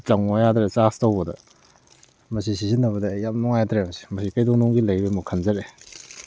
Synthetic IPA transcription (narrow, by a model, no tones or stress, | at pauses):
t͡ʃɐŋojadɾet͡ʃastawbɐdɐ̰ | mɐsisizinːɐbɐdɐjamnɔŋajdɾemɐsi̥mɐsikajdɔŋnɔŋɡilɐjbemukʰɐnzɐɾe